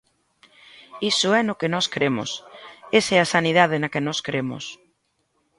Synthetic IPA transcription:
isʊɛnʊkɪnɔskɾemʊ̰seseasaniðað̞ɪnɐkɪnɔskɾemʊ̰s

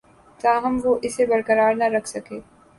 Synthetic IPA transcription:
t̪aːɦɐmʋoʔɪsːebɐɾkəɾaːɾnaɾɐkʰsɐkeː

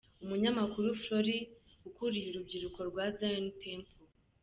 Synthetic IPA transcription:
umuɲamakuɾufɾoɾiukuɾijiɾub̚ɟiɾuko̞ɾɡwazantʰeːmpo

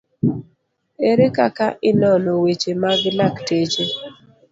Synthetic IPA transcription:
eɾekakaʔɪnɔnɔwet͡ʃemaɡnaktet͡ʃe

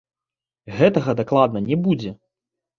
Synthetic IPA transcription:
ɣɛt̪ɐɣɐd̪aklˠad̪̚nɐnʲɛbud͡zʲɛ

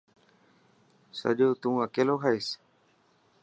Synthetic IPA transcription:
sa̰d͡ʒot̪uŋakeloɦajs

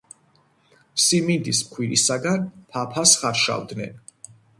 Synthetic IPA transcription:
simind̪ismχʰwiɾisaɡanpʰapʰasχaɾʃa̰vd̪nɛ̰n

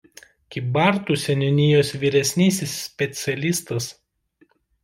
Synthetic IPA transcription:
kʲɪbɑˑɾt̪uːˑsʲɛnʲɪnʲɪjoːsʋʲiːɾʲɛsʲnʲiːsʲɪsːʲpʲɛt̪sʲɛlʲist̪ɐs

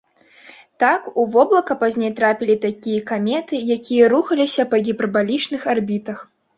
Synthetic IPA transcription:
t̪akuvɔblˠɐkɐpazʲnʲejt̪ɾapʲilʲit̪akʲijɐkamʲɛt̪ɨjakʲijɐɾuxɐlʲisʲɐpɐɣʲipɾɐbalʲit͡ʂnɨxarbʲit̪ɐx

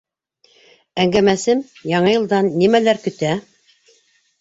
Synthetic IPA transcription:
æŋɡæmæsɘmjɑɴɤjɤ̆lˠd̪ɑnːimælæɾkɵ̆t̪æ

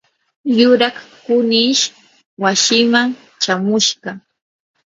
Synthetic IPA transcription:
jʊɾɑχkʊnɪʃ | wasɪmaŋ | t͡ʃamʊʃɢɑ

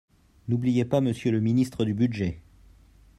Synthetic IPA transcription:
nublijepaməsjøləminist̪χəd̪ybyd̪ʒɛ

